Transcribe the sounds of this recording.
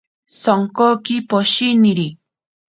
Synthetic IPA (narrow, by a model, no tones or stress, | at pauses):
soŋkokipoʃiniɾi